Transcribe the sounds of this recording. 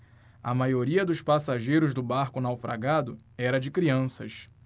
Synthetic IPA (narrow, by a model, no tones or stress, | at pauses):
ɐ̰majoɾiɐd̪ʊʃpasaʒejɾʊzd̪ʊbaɾkʊnawfɾa̰ɡad̪ʊɛɾɐd͡ʒɪkɾiɐ̃sɐ̰ʃ